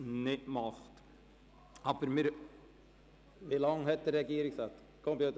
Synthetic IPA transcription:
nɪmɑχt̪ | ɑfəɾmɪɾ | ʋɪlɑŋːhɛt̪ːəɾɛɡjiːɾɪsɑːt̪ | kʰɔmpjʉːt̪

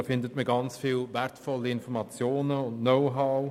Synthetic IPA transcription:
fɪndətməɡɑnt͡sfiːlvɛɾtfɔliɪnfɔɾmɑt͡sjoːnəʊndnoʊɦaʊ

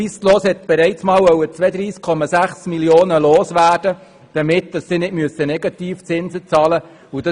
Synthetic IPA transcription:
iːstloːshɛt̪̚b̥ɛɾɛɪt͡smɑːwœwət͡sʋɛd̪ɾiːskʰɔmɑsæχsmiljoːnəloːsʋæːɾd̥ə | d̥əmɪtd̪̥ɑsːɪnɪd̥myəsənɛɡɑt̪iːft͡sɪnzət͡sɑːlə | ud̥ɑ

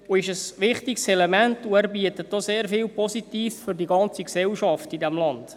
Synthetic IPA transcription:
uɪʃəsʋɪχtɪksɛlɛmæntuæːɾbiət̪ət̚d̥oseːɾfɪːlpɔsitiːsfʏrdiɡɑnt͡siksɛlʃɑftidɛmlɑnd̥

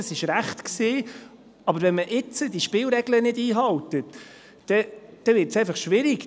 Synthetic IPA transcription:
əsɪʃɾæχt̪ksiː | ɑbəɾvɛnməʔɪt͡səd̪iʃpɪːlɾɛɡlənɪdiːɦɑwt̪ət | d̥ɛd̥ɛvɪːɾtsɛjfɑχʃʋɪɾɪk

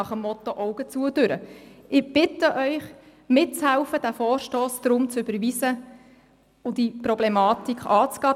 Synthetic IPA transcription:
ɑχəmːɔt̪ɔʔɔʊɡ̥ət͡suəd̥øɾə̰ɪb̥ɪtəʔœʏχ | mɪt̚t͡shæʊfəd̥æfɔːɾʃtoːsd̥̪ɾʊmt͡sʏbəɾʋisə | ʊd̥iprɔblɛmɑːtikχɑːt͡sɡ̥ɑː

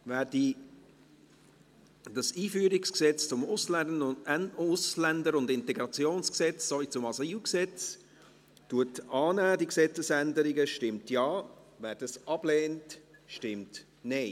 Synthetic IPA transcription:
væːdi | d̥ɑsiːfyːɾɪksksɛt͡st͡sʊmʊsl | ʊslændəɾʊndɪntɛɡɾɑt͡sjoːnsksɛt͡ssovit͡sʊmɑsiwksɛt͡s | tuətɑːnæːdiksɛt͡səsændəɾɪɡəʃtɪmtjɑːvæːɾd̥ɑsɑb̥leːntʃtɪmt | neɪ

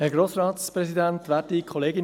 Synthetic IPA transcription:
hɛɾɡɾoːsɾɑːt̪spɾɛsidænt̪ʋæːdikʰχɔleːɡɪn

